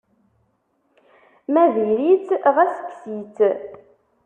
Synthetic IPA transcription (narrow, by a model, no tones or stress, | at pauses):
mæðiɾit͡sʁæsə̥ksit͡s